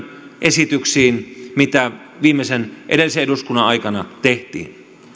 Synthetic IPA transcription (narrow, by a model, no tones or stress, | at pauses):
ʔesit̪yksiːnmit̪æ | ʋiːmːesenʔeɾelːˑiseeɾuskunːɑʔʔɑikɑnɑt̪eht̪ḭːn